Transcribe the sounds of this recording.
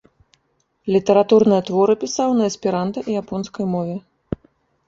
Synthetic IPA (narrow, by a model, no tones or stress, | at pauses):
lʲit̪ɐɾat̪urnɨjɐt̪vɔɾɨpʲisawnɐɛspʲiɾant̪ɐʔijapɔnskɐjmɔvʲɛ